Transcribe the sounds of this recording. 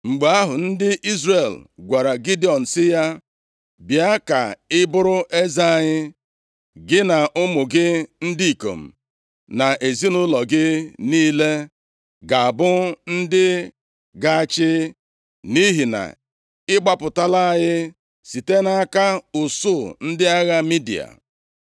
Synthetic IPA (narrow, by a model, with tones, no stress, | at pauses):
ŋ͡m̩˨ɡ͡ba˦ɦʊ˨n̩˦dɪ˦ʔi˦zre˨lɡʷa˨ɾa˨ɡi˦di˦ɔ˨n̩˨sɪ˦ja˦ | bja˦ka˨ɪ˦bʊ˦ɾʊ˦ʔe˦za˦a˨ɲɪ˦ | ɡɪ˦na˨ʔʊ˦mʊ˨ɡɪ˦n̩˦di˦i˨ko̰˨m̩˨ | na˨ʔe˨zi˦nʊ˦lɔ˨ɡɪ˦niː˦le˦ | ɡa˨a˨bʊ˦n̩˦dɪ˦ | ɡa˦˨t͡ʃɪ˦ | ni˦ɦi˨na̰˨ | ɪ˦ɡ͡ba˦pʊ˨ta˦la˦a˦˨ɲɪ˦ | si˨te˦na˦ka˦ʊ˨su˦˨n̩˦dɪ˦a˦ɣa˦mi˦dḭ˨a̰˨